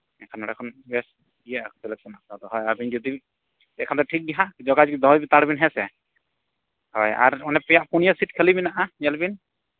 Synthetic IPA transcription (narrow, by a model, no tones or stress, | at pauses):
ɛkʰanɔɽakʰɔnbɛs | ijasɛlɛk̚sɔnakat̪ɔɦɔjabinzɔd̪i | ɛkʰant̪ɔʈʰik̚biɦad͡ʒɔɡad͡ʒid̪ɔɦɔjbit̪aɽbinɦɛsɛ | hɔja̰ɹɔnɛpɛjaʔpunijasitkʰɛlibinaʔaɲɛlbin